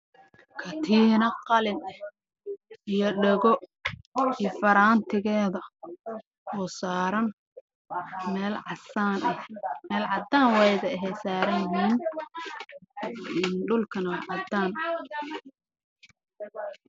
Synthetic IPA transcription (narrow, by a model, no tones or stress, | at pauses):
kʰɐt̪ʰiːnɐqɑlɪn | ijɔɖɛɣɔ | iːfɐɾaːnt̪ʰɪɣɛːðɐ | ɔːsaːɾɐn | mɛːlʕɑsaːnɛhmɛːlʕɑd̪aːnwɛjðɐɛɦɛsaːɾɐnɦiːn | ɪnɖʊlkʰɐnɐwʕɑd̪aːn